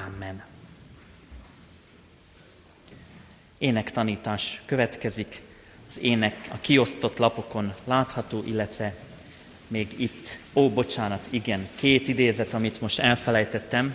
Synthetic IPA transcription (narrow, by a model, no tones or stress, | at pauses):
amːɛn | eːnɛkt̪ɒniːt̪aːʃkøvɛt̪kɛzik | ɒzeːnɛkɒkio̞st̪o̞t̪lɒpo̞ko̞nlaːt̪hɒt̪oːʔilːɛt̪ʋɛ | meːɡit̪ːoːbo̞t͡ʃaːnɒt̪ʰiɡɛŋkeːt̪id̪eːzɛt̪ɒmit̪mo̞ʃt̪ɛlfɛlɛjt̪ɛt̪ːɛm